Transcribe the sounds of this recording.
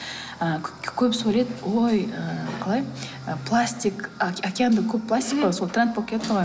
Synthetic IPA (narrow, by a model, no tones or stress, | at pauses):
əkʲʰɵpsoɾed̪wojəqʰɑlˠɑj | əpʰlˠasʲt̪ʲikkʲakʲeand̪əkʲʰɵppʰːlˠasʲt̪ʲikaso̞lˠt̪ʰranspokʲeet̪qɑʁɑ